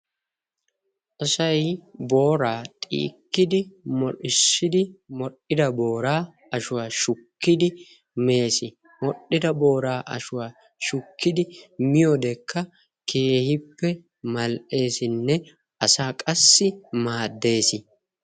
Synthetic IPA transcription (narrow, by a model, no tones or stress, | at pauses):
ʔɔsɐjbo̞ːɾaːt̪ʼḭːkːɪd̪ɪmɔɗɪsːɪd̪ɪmɔɗːɪd̪ɐbo̞ːɾaː | ɐʃʊwaːʃʊkːɪd̪ɪ | me̞ːsɪ | mɔɗːɪd̪ɐbo̞ːɾaːʔɐ̰ʃʊwaː | ʃʊkːɪd̪ɪmɪjɔd̪ɛkːɐ | kʰe̞ːhɪpːɛ | mɐlʔe̞ːsɪnːɛ | ɐsaːkʼɐsːɪmaːd̪ːe̞ːsɪ